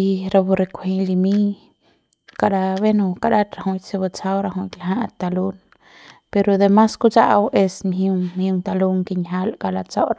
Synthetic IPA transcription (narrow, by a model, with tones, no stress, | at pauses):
i˧ɾa˧bu˧ɾe˧kʷhĩ˧li˧mi˦ | ka˧ɾa˧βe˦nu˧ka˧ɾa˦t̪ɾa˧hu˧jt͡se˧ba˧t͡sa˦wɾa˧ɦũ˧kla˨ɦa˦t̪a˧lu˦n | pe˧ɾo˧d̪e˧ma˦sku˦t͡sa˦ʔa˧we˧smɦu˧ŋmju˧ŋt̪a˧lu˦ŋke˧ɲɦa˦lka˧la˧t͡sa˦wɾa˦